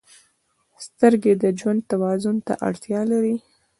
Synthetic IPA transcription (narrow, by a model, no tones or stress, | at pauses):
st̪əɾɡed̪əd͡ʒwand̪̚t̪awɑzʊnt̪a̰ʔa̰ɽt̪jɑlaɾi